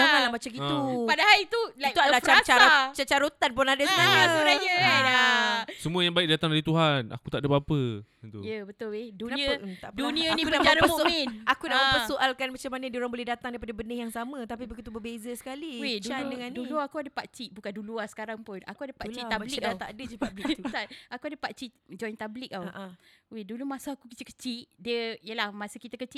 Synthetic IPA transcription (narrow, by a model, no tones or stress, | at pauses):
amalamat͡ʃakit̪upadahaɾit̪ulait̪ualat͡ʃat͡ʃaot͡ʃat͡ʃaɾot̪anpʊnadasənaɲajəasəmuəjaŋbaɪk̚dat̪aŋdaɾit̪uɦana̰kut̪aʔdəpapə | nt̪ujəbət̪ʊledukənaəət̪aʔpəduniəniknaaɾəpaminakunaʔapəsoʔalkanmat͡ʃamanədioɾaŋbolɛɦdat̪aŋdaipadabənəhjaŋsamət̪ap̬ibəkut̪ubəbezəsə̥kaliweduandəŋanːduluakuadəpaʔt͡ʃiʔ̚bukanduluasə̥kaɾaŋpʊna̰kuadəpat͡ʃit̪abbliat̪a̰ʔadəd͡ʒupablik̪ut̪aakuadəpaʔ̚t͡ʃiʔd͡ʒɔjnt̪ablik̚awaʔawedulumasaakukət͡ʃiʔkə̥t͡ʃiʔdiəijəlahmasəkit̪akət͡ʃiʔ